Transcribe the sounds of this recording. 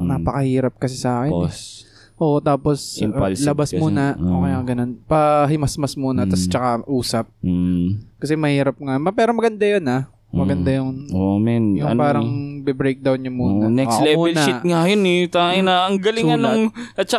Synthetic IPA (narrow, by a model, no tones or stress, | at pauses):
napɐkɐhiːɾɐp̚kɐsɛsɐaːkɛ | ʔoːʔt̪aːposlɐbasmuːnɐoːkejɐɡɐnonpɐɦɪmɐsmɐsmuːnɐt̪ɐst͡ʃɐkaʔuːsɐp̚ː | kɐsɛmɐhiːɾɐp̚ŋamɐpɛːɾomɐɡɐnd̪ajona | mɐɡɐnd̪ajʊŋmɛnjʊŋpaːɾɐŋbɛbɾejk̚d̪awnʊŋmuːnnɛslɛmuːɛlɐʃɪŋajonɛt̪aɪnaʔɐŋɡɐlɪɐnoŋɐt͡ʃɐ